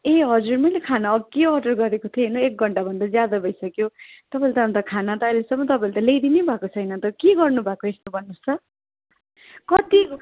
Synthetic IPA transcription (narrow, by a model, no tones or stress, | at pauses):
eɦʌd͡zurmʌjlekʰanaʌkeʌʈʌrɡʌɾekot̪ʰioɦinoek̚ɡʱʌɳʈabʱʌnd̪ʌd͡zjad̪ʌbʱʌjsʌkjot̪ʌpãelt̪ʌɦʌnt̪ʌkʰanat̪ʌajlesʌmːʌt̪ʌpãelt̪ʌlejd̪inebʱakot͡sʰʌjnʌt̪ʌkeɡʌrnubʱakoest̪obʱʌnːust͡sʰʌ | kʌt̪i